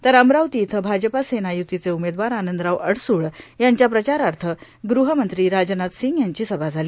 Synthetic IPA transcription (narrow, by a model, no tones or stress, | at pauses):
t̪əɾəmɾawt̪iːt̪ʰəbʱad͡ʑəpasenajut̪ːit͡seumed̪ʋaɾanənd̪ɾaʋʔəɽsuːɭjaɲt͡ɕjapɾət͡ɕaɾaɾt̪ʰə | ɡɾuɦəmənt̪ɾiːɾad͡ʑnat̪siŋɡjaɲt͡ɕiːsəbʱad͡zʱaliː